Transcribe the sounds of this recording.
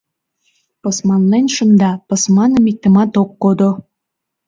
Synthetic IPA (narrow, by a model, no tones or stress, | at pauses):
pɤ̆smɑnlenʲʃə̆nd̪ɑpɤ̆smɑnə̆mik̚t̪ə̆mɑt̪okːod̪o